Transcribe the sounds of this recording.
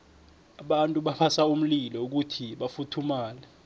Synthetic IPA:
aɓantʼuɓaɓasaum̩lilɔuk̬utʰiɓafutʰumaːlɛ

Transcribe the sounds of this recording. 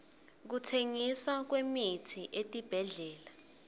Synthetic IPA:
k̬utʰeŋiswak̬wemitʰiʔetʼib̥ʱɛɮɛːla

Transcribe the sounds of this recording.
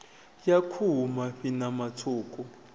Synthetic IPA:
jakʰumaɸinamatʰuːkʼu

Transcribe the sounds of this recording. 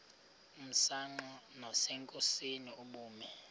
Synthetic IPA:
um̩saŋ͡ǃɔnɔsɛŋkʼosiniuɓuːmɛ

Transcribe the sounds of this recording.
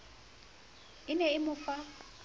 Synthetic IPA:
ɪnɛɪmʊfa

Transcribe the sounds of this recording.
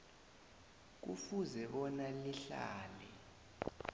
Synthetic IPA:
k̬ṵfuzɛɓɔnaliɬa̰ːlɛ

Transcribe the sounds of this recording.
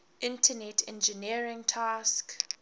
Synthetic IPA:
ʔɪ̃ntʰənɛtʰɛ̰̃nd͡ʒəniəɹɪ̃ŋtʰask

